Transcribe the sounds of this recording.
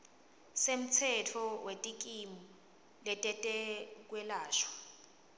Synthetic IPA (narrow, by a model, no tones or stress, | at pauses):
sem̩t͡sʰɛtʰɔwetʼikʼimu | lɛtʼɛtʼɛk̬wɛlaːʃwḁ